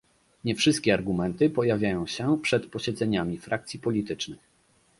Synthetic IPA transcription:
ɲɛfʂɘst̪̚kʲɛaɾɡumɛnt̪ɘpɔjavʲjajɔ̃w̃ɕɛpʂɛt̪pɔɕɛd̪zɛɲamʲifɾʔak̚t̪sʲipɔlʲit̪ɘt͡ʂnɘx

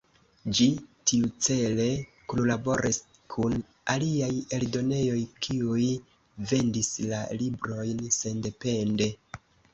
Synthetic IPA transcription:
d͡ʒitiut͡se̞le̞ | kunlabo̞ɾʔis | kʰun | aliaje̞ldo̞ne̞jo̞jkʰiuj | ve̞ndislalibɾo̞jnse̞nde̞pe̞nde̞

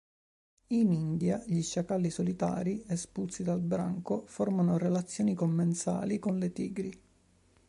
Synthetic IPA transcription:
inind̪jaʎiʃːakalːisolit̪a̰ːɾiespult̪sid̪albɾa̰ŋkofɔrmanorelat̪sːjoːnikomːensa̰ːlikonlet̪ḭːɡɾi

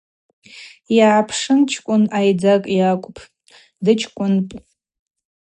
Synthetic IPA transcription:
jaʕapʰʂɨnt͡ʃʰkʷʼʊnajd͡zakʼjakʷʼpʰ | dɨt͡ʃʰkʷʼʊnpʼ

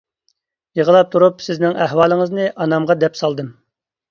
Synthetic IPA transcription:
jəʁəlˠɑp̚t̪ʰuɾupsɪznɪŋæhwɑːlˠəŋəznɨʔɑnɑmʁɑd̪ɛpsɑlˠd̪ɨm

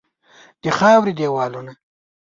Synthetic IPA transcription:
d̪̥əxɑːwɾid̪eːwɑːluna

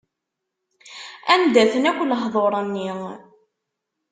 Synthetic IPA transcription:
ænd̪æθənækʷːləɦðˤoɾˤənːi

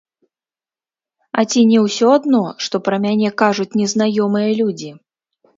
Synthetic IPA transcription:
ɐ̰t͡sʲinʲɛwsʲɔad̪nɔʂt̪ɔpɾɐmʲanʲɛkaʐut͡sʲnʲɛznajɔmɨjɐlʲud͡zʲi

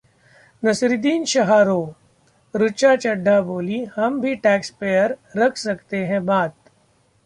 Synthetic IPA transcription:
nɐsɾɪd̪iːnʃɐɦaːɾoː | ɾʊt͡ʃat͡ʃɐɖʱːaboːlihɐmbʱiʈɛːkspeːjəɾːɐkʰsɐkt̪eɦɛ̃baːt̪̚

